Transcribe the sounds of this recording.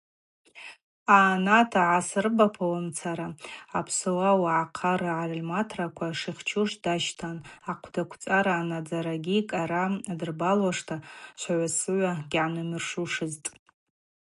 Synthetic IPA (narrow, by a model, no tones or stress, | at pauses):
aːnatʰaʕasɨrbapʰawamt͡sʰaɾaapʰsɨwawaʕaqʰarɨʕarlmatʰrakʷʰaʂiχʲt͡ʃʰuʂdaʃtʰanaqʷʰdakʷʰt͡sʼaɾaːnad͡zaɾaɡʲikʼaɾaadɨrbalwaʂtʰaʃʷʰaʕʷasɨʕʷaɡʲʕanɨmɨrʂuʂɨztʼ